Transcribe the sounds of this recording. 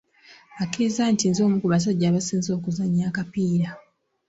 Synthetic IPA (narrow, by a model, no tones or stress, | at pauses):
akʰeːzantinzo̞ːmukuβas̬aɟːaːβasiːnzo̞ːkuzaɲːaːkapiːɾa